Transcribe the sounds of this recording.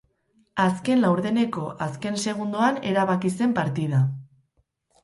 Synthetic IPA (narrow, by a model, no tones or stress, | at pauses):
aske̞nlawɾðe̞ne̞ko̞ʔaske̞nse̞ɣ̞und̪oane̞ɾaβakise̞mpaɾt̪iða